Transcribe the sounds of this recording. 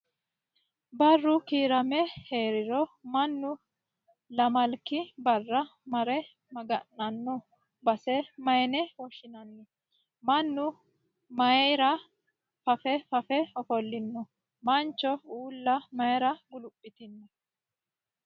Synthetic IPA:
bɐrːʊkiːɾɐmɛheːɾɪɾɔmɐnːʊ | lɐmɐlkːɪbɐrːɐmɐɾɛ | mɐɡɐnːɐnːɔ | bɐsɛmɐjnɛwɔʃɪnɐnːɛ | mɐnːʊ | mɐjɾɐ | fɐfɛfɐfɛɔfɔlːɪnːɔ | mɐnt͡ʃːɔuːlːɐmɐjɾɐɡʊlʊpʼːɪt̪ɪnːɔ

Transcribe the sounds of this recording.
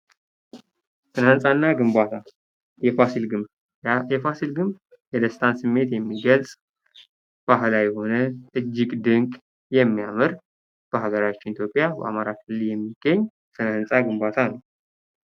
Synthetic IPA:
sʰɨnhansʼanːaɡɨmbat̪ʰa | asilɡɨm | ɛfasilɡɨmb | jɛd̪əst̪ʰansɨmːe̞t̪jɛmːiɡəlsʼ | b̥aɦlajɛho̞nəʔɨd͡ʒːɪɡʼd̪ɨŋkʼ | jɛmːijamɨɾ | b̥əɦaɡəɾat͡ʃːɪnit̪ʰjo̞pʼjabə̰ʔa̰maɾakʰɨlːɨljɛmːiɡ̥ːəɲː | sʰɨnhɨnsʼaɡɨmbat̪ʰanəw

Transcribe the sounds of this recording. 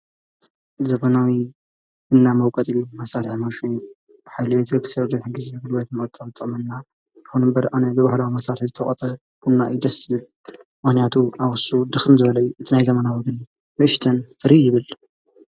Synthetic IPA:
zɐβɐnawi | ʔɨnːamɐwkʼɐt̪ʼimɐsat̪ħmaʃu | ħajlɨet̪ʰɾɨksɐɾd̪ɐħɡizebɨlwɐt̪mɨkʼɐt̪ʼːɐβɨt̪ʼːɐmɐnːa | jɪxunɨmbɐɾʔanɐbɨβahlawimɐsɾat̪zɨt̪ʰɐχʼɐt̪ʼɐ | kʰunːaid̪ɐsβɨl | mɨxnjat̪ʰuʔawʊsud̪ɨxɨnzɨβɐlɐjuʔɨt̪ʰinajzɐmɐnawɐɡni | nɨʔɨʃt̪ʰɐnfɨɾijɪβɨl

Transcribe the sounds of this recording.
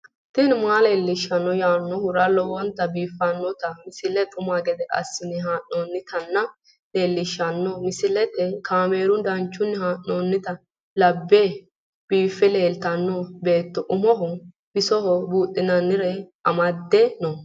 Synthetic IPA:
t̪ɪnmaːleːlːɪʃːɐnːɔjaːnːɔhʊɾɐlɔwɔnt̪ːɐbiːfːɐnːɔt̪ɐmɪsɪlɛt̪ʼʊmaɡɛd̪ɛʔɐ̰sːɪnɪɦaːʔnonːɪt̪ɐnːɐ | leːlːɪʃːɐnːɔmɪsɪlɛt̪ːɛkʰaːmeːɾʊnd̪ɐnt͡ʃːʊnːɪhaːʔːoːnːɪt̪ɐ | lɐbːeː | b̥iːfːɛle̞ːlt̪ɐnːɔbe̞ːt̪ːɔʔʊmɔɦɔ | bɪsɔɦɔbuːt̪ʼːɪnɐnːɪɾɛɐmɐd̪ːɛnɔ

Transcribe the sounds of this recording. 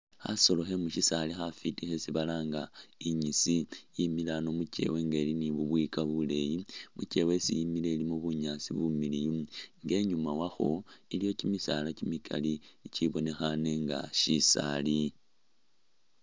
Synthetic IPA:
xa̰so̞lo̞xe̞muʃisalixafitixe̞siβalaːŋɡaiɲisijimilano̞mut͡ʃe̞̰we̞ŋɡe̞liniβuβwikaβule̞jimut͡ʃe̞we̞sijimilelimoβuɲasḭβumilijuŋɡe̞ɲumawaxo̞ilijo̞cimisa̰lacimikʰa̰liciβo̞ne̞xane̞ŋɡa̰ʃisa̰li

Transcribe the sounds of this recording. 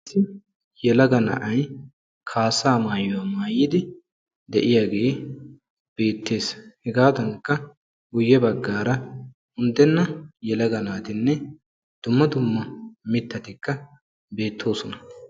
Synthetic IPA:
sːɪ | jɛlɐɡɐnɐ̰ʔɐj | kʰaːsaːmaːjɔwɐmaːjɪd̪ɪ | d̪ɛʔɪjaːɡe̞ː | b̥e̞ːt̪ːe̞ːshɛɡaːd̪ɐŋkːɐ | ɡʊjːɛbɐɡːaːɾɐ | ʊnd̪ɛnːɐjɛlɐɡɐnaːt̪ɪnːɛ | d̪̥ʊmːɐd̪ʊmːɐmɪt̪ːɐt̪ɪkːɐ | be̞ːt̪ːo̞ːsɔnɐ

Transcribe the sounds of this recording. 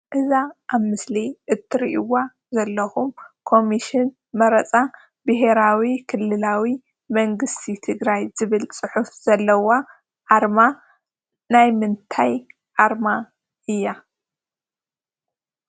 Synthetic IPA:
ʔɨzaʔaβmɨsliʔɨt̪ʰːɨɾiʔiwa | zɐlːɐxumkʰo̞miʃɪn | mɐɾɐt͡sʼa | bɨɦe̞ɾawikʰɨlːɨlawi | mɐŋɡɨst̪ʰit̪ʰɨɡɾajzɨβɨlt͡sʼɨħufz̥ɐlːɐwa | ʕaɾma | najmɨnt̪ʰaj | ʕaɾma | ʔɨjːa

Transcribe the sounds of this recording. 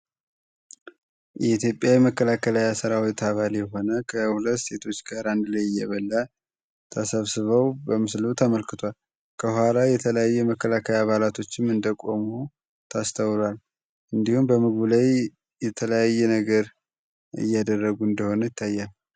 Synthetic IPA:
jɛit̪ʰjo̞pʼjawjɛməkːəlakʰəlajasɨɾawojt̪ʰːaβaljɛɦo̞nəkʰəhulət̪ːse̞t̪ʰo̞t͡ʃːɡaɾand̪lajɪjːɛβəlːa | t̪ʰəsəβsɨβəwbəmɨslut̪ʰəməlkɨt̪ʰwal | kʰəhwalajɛt̪ʰələjajːɛməkːəlakʰəjaβalat̪ʰo̞t͡ʃːɪmɨnd̪əkʼo̞mu | t̪ʰast̪ʰəwlal | ʔɨnd̪ihumbəmɨɡbulaj | jɛt̪ʰələjajːɛnəɡəɾ | ɨ̰jːad̪ərːəɡuɨnd̪əho̞nəjɪt̪ʰːajːal

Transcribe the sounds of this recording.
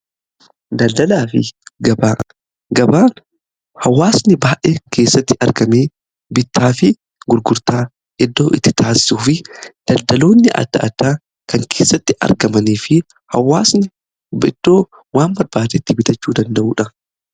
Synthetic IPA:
d̪ɐld̪ɐlaːfɪ̰ɡɐbaː | ɡɐbaː | hɐwːaːsnɪbaːʔekʰe̞ːsːɐt̪ːɪʔɐ̰ɾɡɐmeː | bɪt̪ːaːfɪ | ɡʊɾɡʊɾt̪aː | ʔɪd̪ːo̞ːʔɪt̪ːɪ̥t̪aːsɪ̥suːfɪd̪̥ɐld̪ɐlo̞ːnːɪʔɐ̰d̪ːɐ̰ʔɐ̰d̪ːaː | kɐŋkʰe̞ːsːɐt̪ːɪʔɐ̰ɾɡɐmɐniːfɪ | hɐ̰wːaːsnɪ | bɪd̪̥ːoː | waːmbɐɾbaːd̪eɪt̪ːɪbɪt̪ɐt͡ʃːuːd̪ɐnd̪ɐʔuːᶑɐ

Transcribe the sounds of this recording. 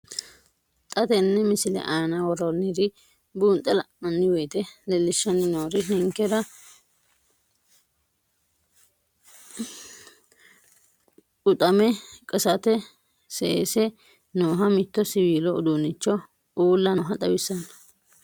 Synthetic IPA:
t̪ʼɐt̪ɛnːɛmɪsɪlɛ̰ʔɐjɐnɐwɔɾonːɾɪ | buːnt̪ʼːɛlɐmɐnːɪwɛːt̪ɛlɛlːɪʃːɐnːɪnoːɾɪnɪŋkɛɾɐ | ʊt̪ʼɐmɛkʼɐsɐt̪ɛ | seːsɛ | noːɦɐmɪt̪ːɔsɪwiːlɔʊd̪uːnːɪt͡ʃːɔ | ʔuːlːɐːɦɐt̪ʼɐwɪsɐnɐ̥

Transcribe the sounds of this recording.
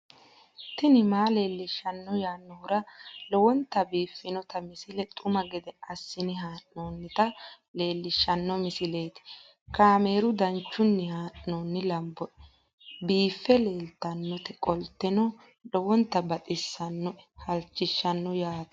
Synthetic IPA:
t̪ɪnɪmaːle̞ːlːɪʃːɐnːɔjaːnːɔɾɐlɔwɔnt̪ːɐbiːfːɪnɔt̪ɐmɪsɪlɛt̪ʼʊmɐɡɛd̪ɛɐsːɪnɪɦaːʔnoːnːɪt̪ɐ | le̞ːlːɪʃːɐnːɔmɪsɪle̞ːt̪ɪ̥ | kaːme̞ːɾʊd̪ɐnt͡ʃːʊnːɪhaːʔːoːnːɪlɐmbɔ | biːfːɛle̞ːlt̪ɐnːɔt̪ɛkʼɔlt̪ːɛnɔ | lɔwɔnt̪ːɐbɐt̪ʼɪsːɐnːɔhɐlt͡ʃːɪʃːɐnːɔjaːt̪

